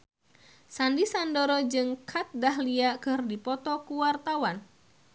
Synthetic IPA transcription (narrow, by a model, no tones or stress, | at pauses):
sandisandoɾɔd͡ʒɨŋkʰat̪̚daɦliakɨrdipɔt̪ɔkuwart̪awan